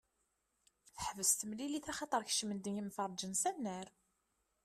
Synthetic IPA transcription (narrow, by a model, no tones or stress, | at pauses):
θəħvəst̪əmliliθæχɑt̪ˤəɾˤçə̥ʃmənd̪ənjimfəɾˤd͡ʒənsænːəɾ